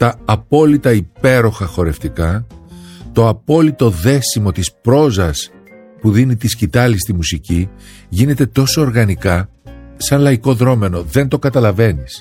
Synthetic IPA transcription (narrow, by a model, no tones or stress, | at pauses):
t̪ɐːpo̞lit̪ɐipe̞ɾo̞xɐxo̞ɾe̞ft̪ikɐ | t̪o̞ɐpo̞lit̪o̞ðe̞simo̞t̪ispɾo̞zɐs | puðinit̪iscit̪ɐlist̪imusici | ʝine̞t̪et̪o̞so̞ːɾɣɐnikɐ | sɐnlɐiko̞ðɾo̞me̞no̞ðe̞nt̪o̞kɐt̪ɐlɐve̞nis